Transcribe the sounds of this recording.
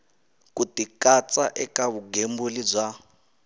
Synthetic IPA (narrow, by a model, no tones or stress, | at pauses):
kutikat͡sʼaʔɛkaβuɡembulid͡zʷa